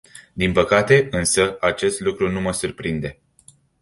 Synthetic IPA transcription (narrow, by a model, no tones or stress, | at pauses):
d̪inpəkat̪e̞ɨnsəat͡ʃe̞st̪lukɾunuməsurpɾind̪e̞